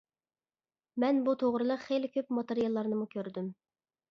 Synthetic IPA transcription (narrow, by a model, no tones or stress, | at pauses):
mɛnbut̪ʰoʁɾɨlˠəqχejlɪkʲʰøpmɑt̪eɾijɑlˠːɑɾnɨmukʲʰøɾd̪ym